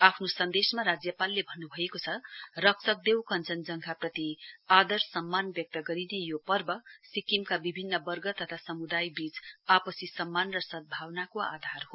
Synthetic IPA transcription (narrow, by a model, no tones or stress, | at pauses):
apʰnosʌnd̪esmaɾad͡zjʌpalːebʱʌnːubʱʌekot͡sʰʌrʌksʰʌk̚d̪ewkʌnt͡sʌnd͡zʌŋkʰaprʌt̪iad̪ʌrsʌmːanbjʌk̚t̪ʌɡʌɾinejopʌrbʌsikimkabibʱinːʌbʌrɡʌt̪ʌt̪ʰasʌmud̪ajbit͡sapʌsisʌmːanrʌsʌd̪̚bʱawnakoa̰d̪ʱarɦo